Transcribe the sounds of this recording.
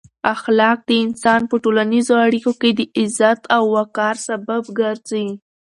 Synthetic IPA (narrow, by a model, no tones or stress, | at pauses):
axlɑk̚d̪əɪnsɑnpəʈolanizoaɽikoked̪əʔɪzat̪ʰawːakɑɾsababɡəɾzawi